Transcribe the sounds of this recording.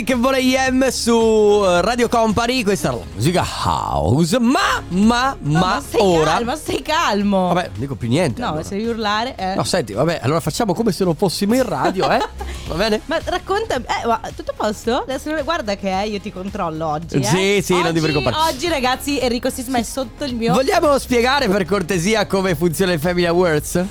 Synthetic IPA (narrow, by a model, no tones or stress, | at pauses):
kevːɔːlejɛmːsurad̪jokɔmpaɾikwest̪asɾa̰la̰mṵːzika̰ha̰zmamamat̪aoːɾalmst̪ajkalmovabɛnõ̰nd̪ikopːjunːjɛnt̪enɔsed̪ɛviurlaːɾeʔɛnɔ̰sɛnt̪ivabɛʔa̰lːoːɾafat͡ʃːaːmokomesenːoɱfosːimoĩraːd̪joɛvabɛːnemarakːont̪amiɛmat̪ut̪ːopɔst̪oɛsenoneɡward̪akeɛiot̪ikont̪ɾɔlːoɔd͡ʒːsisinõnd̪ɛviɾikomɾaɾaɔd͡ʒːiɾaɡat̪sːierːikost̪izmaɛsot̪ːoilmiːovoʎːjaːmospjeɡaːɾeperkort̪eziːakomefunt̪sjoːnaifɛminlawørs